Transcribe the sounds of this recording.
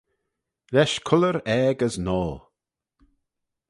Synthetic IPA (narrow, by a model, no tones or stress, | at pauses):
ɾɛʃkʰʊləɾɛːɡəznɔːl